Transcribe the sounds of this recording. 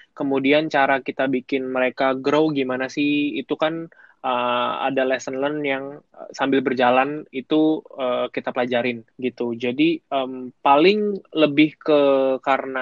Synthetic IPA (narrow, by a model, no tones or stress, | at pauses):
kəmudiant͡ʃaɾakit̪abikɪnməɾekaɡɾowɡimanasɪhḭt̪ukan | əa̰dalɛsənlənjaŋsambɪlbərd͡ʒalanit̪uəkit̪apəlad͡ʒaɾɪnɡit̪ud͡ʒadiəmpalɪŋləbɪhkəkaɾəna